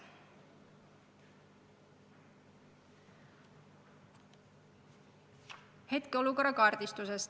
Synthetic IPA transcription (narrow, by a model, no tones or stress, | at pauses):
he̞t̪keoluko̞ɾːɑkɑːrd̪̥ist̪use̞st̪